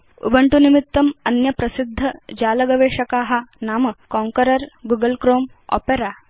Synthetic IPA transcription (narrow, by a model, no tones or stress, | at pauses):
ṵbʱɐɳʈunimit̪ːɐmɐnjɐpɾɐsid̪ʱːɐd͡ʑaːlɐɡɐʋeːʂɐkaːɦanaːməkɔ̃ŋkəɾɐɾɡuɡəlkɾoːm | ɔ̰peɾa